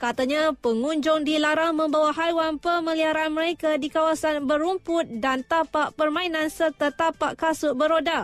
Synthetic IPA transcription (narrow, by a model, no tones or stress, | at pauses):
kat̪aɲãpəŋuɲd͡ʒʊŋdilaɾaŋmə̃mbawaɦajwanpəmə̃liaɾaanməɾekadikawasanbəɾumpʊt̪̚dant̪apaʔpərmãinãnsərt̪at̪apaʔkasʊbəɾoda